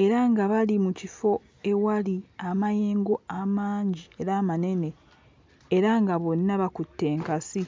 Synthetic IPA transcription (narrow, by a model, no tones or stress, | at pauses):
e̞ɾaŋɡaβalimucifo̞ | e̞waliamaje̞ːŋɡo̞amaːɲɟie̞ɾaːmane̞ne̞ | eɾaŋɡaβo̞nːaβakutːe̞ːŋkasi